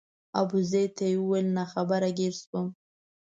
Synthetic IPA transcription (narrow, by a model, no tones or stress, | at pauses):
a̰buzejt̪ajwuwelnaxabaɾaɡeɾswəm